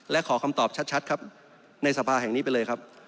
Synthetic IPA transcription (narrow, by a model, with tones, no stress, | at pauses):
lɛ˦˥kʰɔː˩˦kʰa˧mt̪ɔː˨˩p̚t͡ɕʰa˦˥t͡ɕʰa˦˥t̪̚kʰa˦˥p̚ | na˧jsa˧pʰaː˧ɦɛ˨˩ŋniː˦˥pa˧jlɤː˧jkʰa˦˥p̚